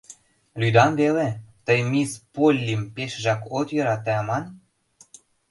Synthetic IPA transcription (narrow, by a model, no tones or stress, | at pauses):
lʲyd̪ɑmβelet̪əjmispolʲːimpeʃʒɑkot̪jø̆ɾɑt̪ːæɑmɑn